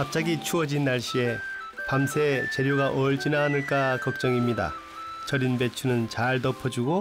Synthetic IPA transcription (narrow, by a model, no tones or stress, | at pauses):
kap̚t͡ɕ͈aɡit͡ɕʰuʌd͡ʑinːaɭɕ͈ie̞ | pamsʰe̞t͡ɕe̞ɾjoɡaʔʌɭd͡ʑinaɦnɯɭk͈akʌk̚t͡ɕ͈ʌŋimɲida̰ | t͡ɕʌɾinbe̞t͡ɕʰunɯnt͡ɕaɭtʌpʰʌd͡ʑuɡo